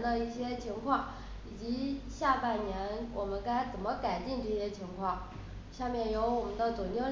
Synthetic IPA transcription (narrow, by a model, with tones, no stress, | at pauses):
nd̪ə˧i˥˩ɕjɛ˥t͡ɕʰi˧˥ŋkʰwɑ˥˩ŋ | i˨˩t͡ɕi˧˥ɕja˥˧pa˥˩nnjɛ˧˥nwʔɔ˨˩mə˦nka˥ɪt͡sə˨˩nmə˦ka˨˩ɪt͡ɕi˥˧ŋnʈ͡ʂɤ˥˧ɕjɛ˥t͡ɕʰi˧˥ŋkʰwɑ˥˩ŋ | ɕja˥˧mjɛ˥˩njo˧˥ʊwɔ˨˩mə˦nd̪ə˧˩t͡su˨˩njo˥˩ŋ